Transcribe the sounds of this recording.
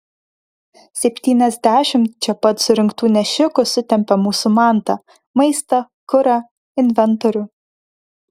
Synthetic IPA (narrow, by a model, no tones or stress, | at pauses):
sʲɛpʲt̪ʲiːnʲɛzʲd̪ʲæːʃʲɪmt̪t͡ʃʲɛpɐt̪sʊɾʲɪŋkt̪uːnʲɛʃʲɪkʊsʊt̪ʲɛmʲpʲɛmuːsʊmɑˑnt̪ɐ | mɐɪst̪ɐ | kʊɾɐ | ɪnʲʋʲɛnt̪ɔɾʲʊː